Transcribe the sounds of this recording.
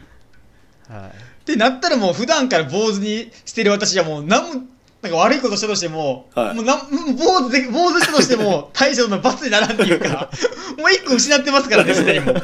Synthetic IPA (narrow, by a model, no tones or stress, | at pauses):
t̪e̞nat̪ːaɾamo̞ːɸɯ̟d̪ãŋkaɾabo̞ːzɨɲ̟iɕi̥t̪e̞ɾɯβ̞at̪aɕiβamo̞ːnãmːo | nãŋkaβ̞aɾɯiko̞t̪oɕi̥t̪at̪oɕ̬it̪e̞mo̞moːnãboːzɨd̪ebo̞ːzɨɕi̥t̪at̪oɕi̥t̪e̞mo̞t̪ʰaiɕot̪ɯnobat͡sɨɲ̟inaɾãnt̪ejɯ̟ːkamoːikːoɯ̟ɕinat̪̬ːe̞masɨ̥kaɾanesɨaɲimo